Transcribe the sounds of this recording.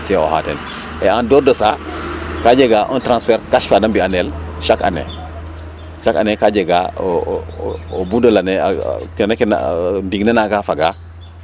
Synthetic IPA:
sɛo̰ha̰ːtɛ̰n | ɛandɔdɔsakad͡ʒɛɡaʔɔntɾãnsfɛɾkaʃfadambianɛlʃaka̰nɛ̰ | ʃaka̰nɛkad͡ʒɛɡa | obudolanɛ̰kɛnekɛn̰diɡnenakafaɡa

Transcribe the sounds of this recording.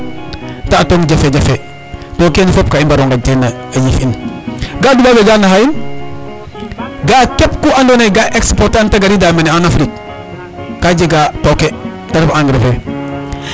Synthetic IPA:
taːtoŋɟafed͡ʒafe | tokenifop̚kaimbaɾoŋɡatena | ajifinɡadubaɡed͡ʒanahain | ɡakep̚kuandonaɡaʔekspoɾtantaɡaɾidameneanafɾik̚ː | ad͡ʒeɡatoke | taɾfaŋɡɾefe

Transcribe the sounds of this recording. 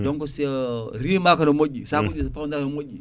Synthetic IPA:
doŋkosiɾimakanomoɡʲisakud͡ʒʲispandaknmoɡʲḭ

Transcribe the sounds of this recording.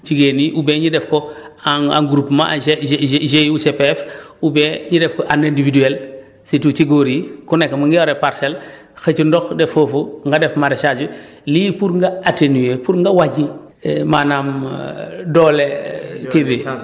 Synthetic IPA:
t͡ʃiɡeniʔubeɲidɛfkɔ | aa̰ŋɡuɾupma̰a̰eʒejusepeɛfubeɲidɛfkɔʔanendividuel | situt͡ʃiɡoɾikunekːmaŋɡɛoɾepaɾsel | xet͡ʃundɔxdefofuŋɡadefmaɾeʃad͡ʒu | lipuɾŋɡaatenuepuɾŋɡawaɟi | manam | dɔlekibi

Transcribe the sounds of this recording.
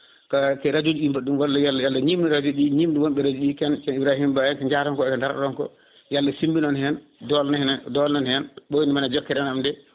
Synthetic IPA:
kakɛɾad͡ʒud͡ʒuɗimbaɗumwalːajalːajalːaɲimdiɾad͡ʒuɗiɲimduwɔmɓɛɾad͡ʒuɗikɛnkɛnibɾahimbajɛkɛɲd͡ʒaɾɔnkɔɛkɛndaɾɾɔnkɔ̰ | jalːasimbinɔnhɛn | dɔlnandɔlnɔnhɛnɓonimanad͡ʒɔkːɛɾɛnamdɛ

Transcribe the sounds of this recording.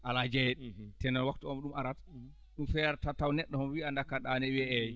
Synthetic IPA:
ʔalad͡ʒɛɗtɛnɛlwaktuɔmɗumaɾat | ɗumfɛɾtatawnɛɗːɔhɔmwiandakaɗanɛwɛɛ

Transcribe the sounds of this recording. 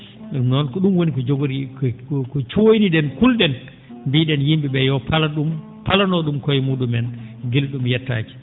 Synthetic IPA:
nɔnkɔɗumwonikɔd͡ʒoɡuɾikkɔt͡ʃojnidɛnkulɗɛn | mbiɗɛnjimbiɓɛjɔpalaɗum | palanɔɗumkɔjmuɗumɛnɡilɗumjɛtːa̰ːki̥

